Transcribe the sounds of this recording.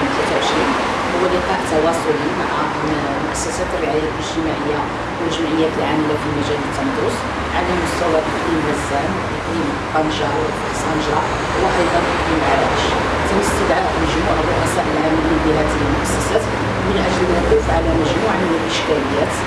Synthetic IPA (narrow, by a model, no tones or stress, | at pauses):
t̪læt̪ʕəʃɾin | hʊwəlːɪqɑʔt̪ːɑwɑsˤʊlimaʕa | mʊʔæsːæsæt̪ərːɪʕajæʔəʒt̪əmaʕəjːa | wəlʒəmʕəjːæt̪əlʕaməlæfimæʒælət̪ːɑnd̪us | ʕalæmʊst̪æwæbqlimwæzænʔəq̪im | qɑnʒa | sˤɑnʒa | wəʔɑjd̪ˤɑnʔəqimʕalæʔʃ | t̪ːæməst̪əd̪ʕaʔməʒmuʕərˤːʊʔæsˤɑʔəlʕaməlibəlæt̪əəlmʊʔæsːæsæt̪ | mənʔəʒlənæt̪əfʕalæməʒmuʕamənəlʔəʃkæləjːæt̪